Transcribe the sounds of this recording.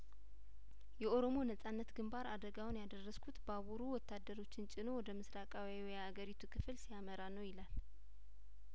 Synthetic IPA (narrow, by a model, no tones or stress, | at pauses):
jɛʔo̞ɾo̞mo̞nəsʼanːət̪ɡɨmbaɾad̪əɡawʊnjad̪ərːəskʰut̪baβuɾuwɔt̪ːad̪ːəɾo̞t͡ʃːɪnt͡ʃʼɪno̞wɔd̪əmɨsɾakʼawawjhaɡəɾit̪ʰukʰɨflsijaməɾanəwjɪlal